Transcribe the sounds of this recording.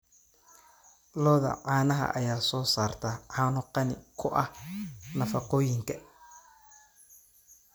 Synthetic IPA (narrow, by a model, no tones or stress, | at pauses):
lɔːðɐ̰ʕaːnɐɦɐ̰ʔɐjaːsɔːsaːrt̪ʰɐʕaːnʊqɑnɪ̰kʰʊʔɐhnɐfɑqɔːjɪŋkʰɐ